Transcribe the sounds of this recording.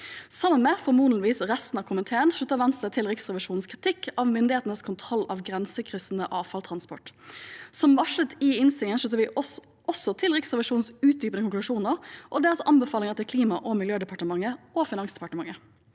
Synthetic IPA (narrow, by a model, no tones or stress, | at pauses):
sɑmːənmɛːfɔmuːnənʋiːsʁɛst̪n̩ɑːʋkʰʊmənt̪ʰeːənʂʉt̪ːəʋɛnst̪ət̪ʰɪlʁɪksʁɛʋɪʂuːnn̩skʰʁɪt̪ʰɪkːɑːʋmɪnd̪ɪheːt̪n̩əskʰʊnt̪ʰʁɔlːɑ̰ːʋɡʁɛnsəkʰʁʏsn̩əʔɑːʋfɑlt̪ʰʁɑnspɔ̰ʈsɔmʋɑʂət̪ɪɪnst̪ɪŋənʂʉt̪ːəʋɪɔ | ɔsɔt̪ʰɪlʁɪksʁɛʋɪʂuːnn̩sʉːt̪̚d̪yːpənəkʰʊŋklʉʂuːnəʁʔɔd̪ɛːlsɔʔɑnbəfɑːlɪŋət̪ɪlkʰliːmɑʔɔmɪljøːd̪ɛpʰɑʈəmɑŋːəofɪnɑŋsd̪ɛ̥pɑʈəmɑŋːə